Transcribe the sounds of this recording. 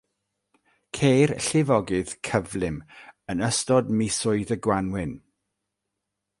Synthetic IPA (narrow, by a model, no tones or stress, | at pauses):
kʰejrɬɪvɔɡɨð̥kʰəvlˠɪmənəstɔdmɪsʊɨðəɡwanwɪn